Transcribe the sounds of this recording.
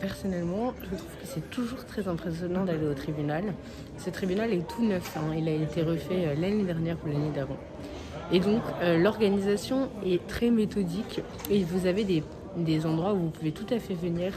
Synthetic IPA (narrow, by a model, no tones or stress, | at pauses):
pɛʁsɔnɛlmɑ̃ʒət̪χuv̥kəsɛt̪uʒuʁt̪χɛzɛ̃pχesjɔnɑ̃d̪aleot̪χibynal | sət̪χibynalɛt̪ʰunœfɛ̃ilaet̪eʁəfɛølaned̪ɛʁnjɛʁpulaned̪avɑ̃ | ed̪ɔ̃kølɔʁɡanizasjɔ̃ɛt̪χɛmet̪ɔd̪ik | evuzaved̪e | d̪ezɑ̃d̪ʁwauvupuvet̪ut̪afɛvəniːʁ